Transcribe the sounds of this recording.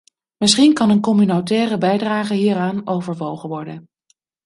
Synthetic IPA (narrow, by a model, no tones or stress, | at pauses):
mɪsχinkɑnənkɔmynotɛːrəbɛjdraːχəɦiːɾaːnowvəɹʋowχənʋɔɹdən